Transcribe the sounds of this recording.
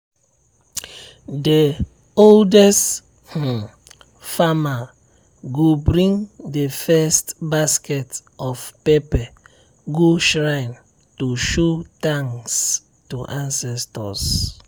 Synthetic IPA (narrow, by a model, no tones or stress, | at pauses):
de | oldɛst | h̩ | fama | ɡobɾĩŋdefɛstbaskɛtɔfpepɛ | ɡoʃɾaɪn | tuʃotãŋs | tuʔãnsɛstɔ̰s